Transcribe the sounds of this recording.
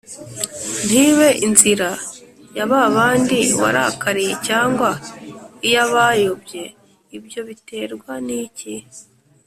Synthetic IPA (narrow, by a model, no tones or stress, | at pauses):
n̥iːβe̞ʔinziɾa | jaβaːβaːndiwa̰ɾa̰kaɾije̞caːŋɡwaijaβajobje̞ | ibjo̞βite̞ːɾɡwanici